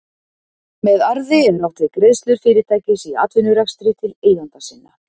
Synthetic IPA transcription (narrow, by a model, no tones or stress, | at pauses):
mɛðaɾðɪɛɾnawht̪ɪkɾeðst̪lʏɾ̥fɪːɾɪt̪ʰaːjcɪsia̰ːt̪vʏnːʏɾakst̪ɾʏt̪ʰɪleːjjant̪asɪnːa̰